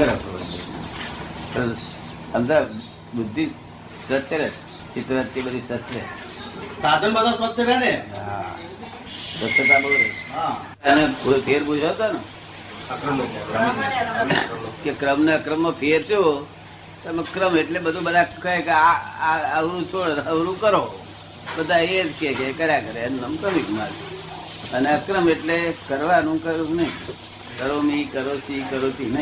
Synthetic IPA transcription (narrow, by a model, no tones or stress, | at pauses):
əɾat̪o̰bə̰t̪ḭna̰t̪əɾ | ənd̪a | bud̪ʱːi | sɾət̪ːəɾe | t͡ʃit̪ɾəʋaɾt̪ibəd̪ʱisət̪ːlḛ | sad̪ʱənbəd̪ʱasʋət̪səɾaneɦa̰ | sət̪ət̪aboleɦa | ənepupʰeɾbud͡ʒʱət̪anə | kɾme | kekɾəmneəkɾəmːãpʰeɾt̪eo | t̪məkɾəmeʈlebəd̪ʱũbəd̪ʱakəkeaaəʋɾũt͡ʃʰoɭnəʋɾũkəɾo | bəd̪ʱaed͡ʒkekekəɾjakəɾeənːəmkɾəmikma̰d̪i | əneəkɾəmeʈlekəɾʋanũkəɾũnəɦĩ | kəɾomikəɾosikəɾot̪inə̃